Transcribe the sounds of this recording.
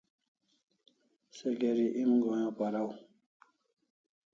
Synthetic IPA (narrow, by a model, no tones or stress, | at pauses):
seɡeɾiʔimɡojãːpaɾaw